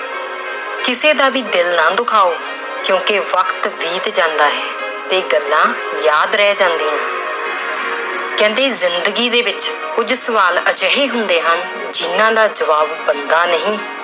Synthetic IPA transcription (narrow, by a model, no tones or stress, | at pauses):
kɪseːd̪aːʋiːd̪ɪlnaːd̪ʊkʰaːoː | kjõːkeʋəkt̪ʋiːt̪d͡ʒãːnd̪aːɦɛː | t̪eːɡəlːãː | jaːd̪ɾɛːd͡ʒãːnd̪iːãː | kɛ̃ːnd̪eːzɪnd̪əɡiːd̪eːbɪt͡ʃ | kʊd͡ʒsəʋaːlət͡ʃɦeːɦʊnd̪eːɦən | d͡ʒɪnːãːd̪aːd͡ʒəʋaːbbənd̪aːnəɦĩː